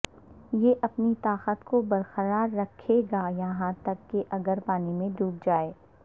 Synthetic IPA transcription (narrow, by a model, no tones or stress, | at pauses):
jeːʔɐpnit̪aːqət̪kobɐɾxəɾaːɾːɐkʰeɡajɐɦãt̪ɐkːeʔɐɡəɾpaːnimẽɖ̪ʱuːk̚d͡ʒaːeː